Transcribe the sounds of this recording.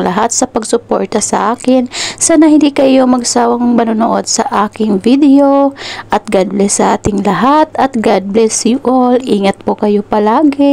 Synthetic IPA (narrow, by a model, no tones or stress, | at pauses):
lɐɦat̪sɐpɐɡsʊpo̰ɹt̪ɐsɐʔaːkɪnsaːnɐhɪ̃nd̪iːkɐjo̞mɐɡsaːwɐŋmɐnʊnoʔo̞d̪̚sɐʔaːkɪŋvid̪ɛjoʔɐt̪̚ɡad̪̚lɛsɐʔaːt̪ɪŋlɐɦat̪ɐt̪ɡad̪̚blɛsɪʔolʔiːŋɐt̪̚pokɐjo̞pɐlaːɡɪ